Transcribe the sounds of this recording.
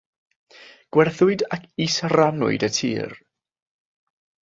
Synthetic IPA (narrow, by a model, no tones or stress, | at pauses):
ɡ̥wɛrθʊɨdakʰisəranʊ̰ɨdətʰḭːr